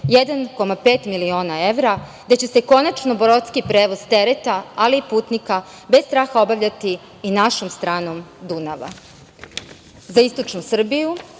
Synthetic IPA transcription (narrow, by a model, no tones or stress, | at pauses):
jed̪anko̞mape̞ːt̪milio̞ːnae̞ʋɾad̪et͡ɕe̞se̞ko̞nat͡ʃno̞boɾot̪skipɾeːʋo̞zt̪e̞ɾet̪aaliːpuːt̪nika | best̪ɾaːxao̞baʋʎat̪iː | naʃomst̪ɾaːno̞md̪unaʋa̰ | zaist̪o̞t͡ʃnusr̩biju